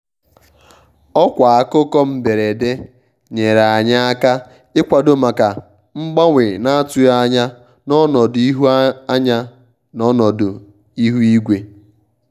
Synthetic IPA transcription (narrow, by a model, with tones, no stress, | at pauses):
ɔ˦kʷa˨a˨kʊ˦kɔ˦m̩˨be˨ɾe˨de˦ | ɲe˨ɾa˨a˨ɲa˦a˦ka˦ | ɪ˦kʷa˨do˦ma˨ka˨ | ŋ͡m̩˦ɡ͡ba˦ŋʷɪ˨na˦a˦tʊ˦ja˦ɲa˦ | nɔ˦nɔ˨di˦ɦu˦a˦ɲa˦ | nɔ˦nɔ˨dʊ˨ | i˦ɦu˦i˦ɡʷe˨